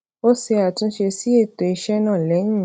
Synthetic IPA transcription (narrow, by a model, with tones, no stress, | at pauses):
o˦se˧a˨tũ˧˦ʃe˧si˦e˦˨to˨i˧ʃɛ˦nã˦˨lɛ˨˦nũ˦˨